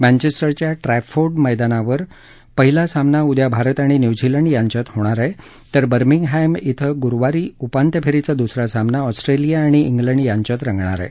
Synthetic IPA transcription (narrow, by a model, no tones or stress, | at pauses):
mɛ̃nt͡ɕesʈəɾt͡ɕjaʈɾɛfoɾɖməjd̪anaʋəɾ | pəɦilasamnaud̪jabʱaɾət̪aɽ̃injud͡ʑiləɳɖjãɲt͡ɕat̪ɦoɽ̃aɾaje | t̪əɾbəɾmiŋɡɦajmit̪ʰəɡuɾʋaɾiːupant̪jəpʰeɾit͡sad̪usɾasamnaɔsʈɾelijaːɽ̃iiŋɡləɳɖjãɲt͡ɕat̪ɾãŋɡɳa̰ɾa̰e